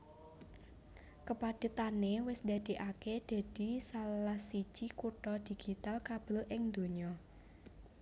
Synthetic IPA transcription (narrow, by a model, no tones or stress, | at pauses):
kəpad̪̥ə̤t̪anewɪsd̪̥ä̤d̪̥i̤ʔaked̪̥a̤d̪̥i̤sallahsi̥ʒ̥ikuʈɔd̪̥i̤ɡ̥it̪alkab̥ə̤lʔɪŋd̪̥o̤ɲɔ